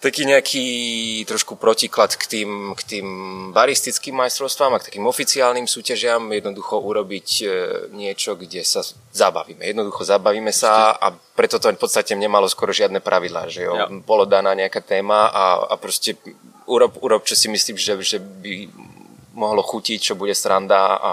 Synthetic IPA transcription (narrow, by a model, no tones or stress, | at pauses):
t̪akiːɲɛakʰiːt̪ɾɔʃkupɾɔciklat̪kt̪iːmkt̪iːmbaɾist̪it͡skiːmːajst̪ɾɔʊst̪ʋaːmak̚t̪ḁkiːmɔfit͡siaːlnimsuːcaʒɪamjɛd̪nɔd̪uxɔʔuɾɔbicɲɪɛt͡ʃɔɡɟɛsa | zaba̰ʋiːmɛjɛd̪nɔd̪uxɔzabaʋiːmɛsaa̰pɾɛt̪ɔt̪ɔfpɔt̪st̪acɛɲɛmalɔskwɔɾɔʒɪad̪nɛpɾʔaʋid̪la̰ːʒɛjɔbɔlɔd̪anaːɲɛakat̪ɛːmaa̰a̰pɾɔscɛ | uɾɔpuɾɔpt͡ʃɔsimisliːmʒɛʒɛbi | mɔɦlɔxucict͡ʃɔbuɟɛsɾand̪aa̰